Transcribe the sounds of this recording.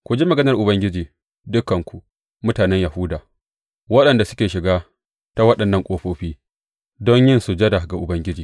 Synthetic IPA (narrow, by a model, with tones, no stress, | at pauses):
kʷʊ˨d͡ʒiː˦mɐ˨ɡɐ˦nɐ˨rʔʊ˨bɐ˦ŋɡʲɪ˦d͡ʒiː˨ | dʊ˦kːɐ˨ŋkʷu˨ʔ | mʊ˦taː˨nɛ˦ɲja˨hʊ˦daː˨ | wɐ˦ɗɐ˨nda˨sʊ̥˦kʲeː˨ʃɪ˨ɡaː˦ | ta˦wɐ˦ɗɐ˨nːɐ˦˨ŋkʷʼoː˦ɸoː˦ɸiː˦ | dɔ˦ɲjɪ˦nsu˨d͡ʒɐ˦da˨ɡa˨ʔʊ˨bɐ˦ŋɡʲɪ˦d͡ʒiː˨